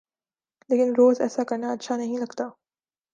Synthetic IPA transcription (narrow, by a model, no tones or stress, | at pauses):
leːkɪnɾoːzɛ̰ːsakɐɾnaɐtːʃʰanɐɦĩlɐɡt̪aː